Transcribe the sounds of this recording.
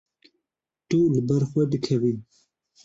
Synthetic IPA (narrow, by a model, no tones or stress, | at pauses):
t̪ulɨbɛɾxwɛd̪ɨkʰɛvin